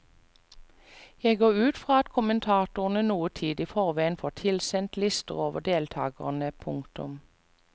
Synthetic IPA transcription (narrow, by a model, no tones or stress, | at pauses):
jæɪɡoːʁʉːt̪fʁɑːɑt̪kʰʊmənt̪ʰɑːt̪ʊʁn̩ənuːət̪ʰiːd̪iːfɔʁʋæɪənfoːt̪ʰɪlsɛnt̪lɪst̪ə̰ʁoːʋəd̪eːlt̪ʰɑ̰ːɡəʁnəpʰʊŋkt̪ʊ̰m